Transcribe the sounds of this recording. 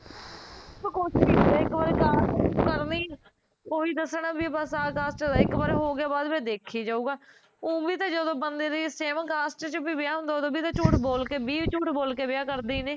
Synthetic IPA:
sokoːt͡ʃiːɪkʋaːɾekaːsʈːkəɾniːɛː | koːiːd̪əsɳãːbiːbəsaːkaːsʈːɪkbəɾɦoːɡɪaːbaːd̪ʋẽːd̪eːkʰiːd͡ʒaːuːɡaː | õːbiːt̪ẽːd͡ʒəd̪õːbənd̪eːɾiːseːmkaːsʈt͡ʃəbiːbɪjaːɦʊ̃nd̪aoːd̪õːbiːt̪ãːt͡ʃuːʈboːlkeːbiːʋt͡ʃuːʈboːlkeːbɪjaːkəɾd̪iːneː

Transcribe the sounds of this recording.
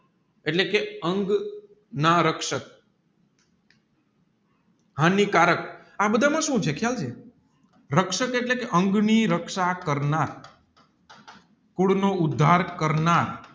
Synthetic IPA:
eʈlekeəŋɡ | naɾəkʃək̚ | ɦãnikaɾək̚ | abəd̪ʱamãʃũt͡ʃʰekʰjalt͡ʃʰe | ɾəkʃəkeʈlekeʔəŋɡniɾəkʃakəɾnaɾ | kuɽnoʊd̪ʱːaɾkəɾnaɾ

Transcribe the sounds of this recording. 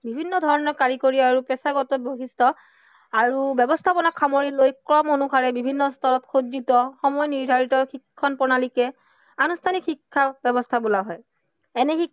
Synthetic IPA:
bibʱinːɔdʱɔɹɔnɔɹkaɹikoɹiaɹupɛsaɡɔtɔboɦistʰɔ | aɹubɛbɔstʰapɔnakʰːamoɹilojkɹɔmonukʰaɹɛbibʱinːɔstʰɔlɔtkʰodditɔxɔmɔjniɹdʱaɹitɔɹxikʰːɔnpɔnalikɛ | anustʰanikxikʰːabɛbɔstʰabulaɦɔj | ɛnɛxi

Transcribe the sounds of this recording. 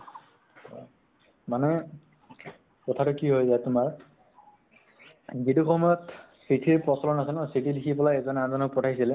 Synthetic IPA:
manɛ | kɔtʰatʊkiɦojzatʊmaɹ | ɡiduxɔmɔjɔt | sitʰiɹpɹɔsɔlɔnasɛnɔsitʰilikʰipɔlaɛzɔnazɔnɔkpɔtʰajsilɛ

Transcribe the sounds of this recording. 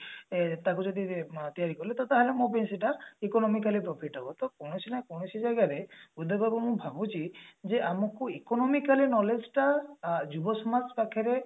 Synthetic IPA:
t̪akud͡ʒɔd̪it̪ijaɾikɔlet̪ɔt̪aɦalemõpensiʈaikɔnɔmikalipɾɔpʰiʈabɔt̪ɔkɔñɔsinajkɔñɔsid͡ʒajɡaɾeud̪ʱɔbabɔmũbʱabut͡ʃʰid͡ʒeʔamɔkuikɔnɔmikalinɔled͡ʒʈad͡ʒubɔsɔmaspakʰeɾe

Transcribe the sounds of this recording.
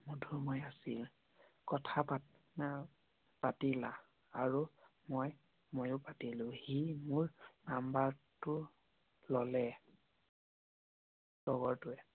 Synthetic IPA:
mudʱumɔjasi | kɔtʰapa | na | patilã | aɹumoj | mojʊpatilʊ̃himʊɹnambaɹtʊ | lɔlɛ | sɔɡɔɹtʊɛ

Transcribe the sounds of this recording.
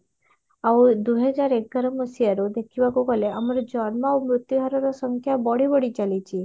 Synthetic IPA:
aud̪uɦɛd͡ʒaɾek̚ɡaɾɔmɔsijaɾud̪ekʰibakukɔleamaɾɔd͡ʒɔnmaumɾut̪juɦaɾɔɾɔsɔŋkʰjabɔɽibɔɽit͡ʃalit͡ʃʰi

